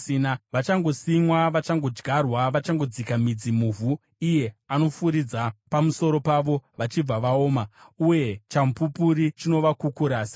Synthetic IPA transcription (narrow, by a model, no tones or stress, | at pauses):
inaʋat͡ʃaŋɡo̞simwaʋat͡ʃaŋɡo̞d͡ʒɡʱarwaʋat͡ʃaŋɡo̞d͡zikamid͡zimuːvu | ije̞ano̞fuɾid͡zapamuso̞ɾo̞paʋo̞ʋat͡ʃib͡vaʋao̞ːmauje̞t͡ʃamupupuɾit͡ʃino̞ʋakukuɾaːsi̥